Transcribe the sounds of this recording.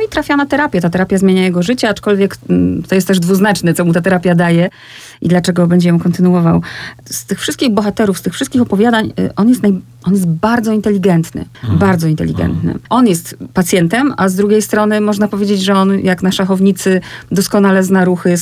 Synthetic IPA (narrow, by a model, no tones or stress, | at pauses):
nɔit̪ɾafʲjanat̪ɛɾapʲjɛt̪at̪ɛɾapʲjazmʲeɲajɛɡɔʐɘt͡ɕɛat͡ʂkɔlvʲjɛkt̪ɔjɛst̪ːɛʐd̪vuznat͡ʂnɛt̪sɔmut̪at̪ɛɾapʲjad̪ajɛ | ḭd̪lat͡ʂɛɡɔbɛɲd͡ʑɛjɔ̃w̃kɔnt̪ɘnuwɔvawst̪ɘxfʂɘst̪kʲiɣbɔxat̪ɛɾufst̪ɘxfʂɘst̪̚kʲixɔpɔvʲjad̪aɲʔɔnjɛst̪naj | ʔɔnjɛs̬t̪baɾd̪zɔint̪ɛlʲiɡɛnt̪nɘ̰ | baɾd̪zɔint̪ɛ̰lʲiɡɛ̰nt̪nɘ̰ʔɔnjɛst̪pat̪sʲjɛnt̪ɛmazd̪ɾuɡʲejst̪ɾɔnɘmɔʐnapɔvʲjed͡ʑed͡ʑʐɛɔnjaknaʂaxɔvɲit̪sɘd̪ɔskɔn̪alɛznaɾuxɘ